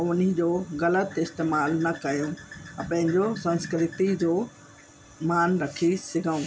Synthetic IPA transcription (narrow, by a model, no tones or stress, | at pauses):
ʊnid͡ʑoːɣɐlət̪ɪst̪eːmaːlnɐkɐjõɐ̃pɐ̃ɦɪ̃ɲd͡ʑosɐ̃nskɪɾɪt̪id͡ʑoː | maːnɾɐkʰisɪɡʱaũː